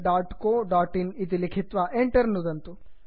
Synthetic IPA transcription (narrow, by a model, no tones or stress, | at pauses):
ɖaːʈkoːɖaːʈinit̪̬ilikʰit̪ʋɐʔeɳʈɐɾnud̪ɐnt̪u